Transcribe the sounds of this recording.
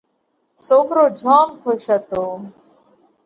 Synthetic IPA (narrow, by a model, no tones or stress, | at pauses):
sokɾoːd͡ʒʱaːmkʰoʃət̪oː